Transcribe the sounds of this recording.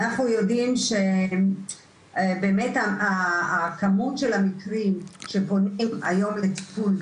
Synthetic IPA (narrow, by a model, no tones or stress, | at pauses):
anaχnujo̞dimʃe | be̞ːme̞taaːkamutʃe̞lamikʁimʃe̞po̞nima̰jo̞mlet̪i̥pul